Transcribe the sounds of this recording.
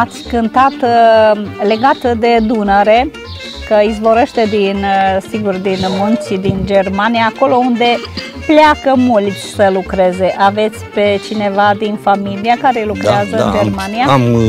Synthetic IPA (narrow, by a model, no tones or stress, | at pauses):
at̪sʲkɨnt̪at̪ | le̞ɡat̪d̪e̞d̪unəɾe̞ | kəizvo̞ɾeʃt̪e̞d̪insiɡurd̪inmunt̪t͡ʃid̪ind͡ʒe̞rmanijaːko̞lo̞und̪e̞ | plakəmult̪sʲsəlukɾe̞ze̞ʔave̞t̪sʲpe̞t͡ʃine̞vad̪infamiliakaɾe̞lukɾeazəd͡ʒermanijam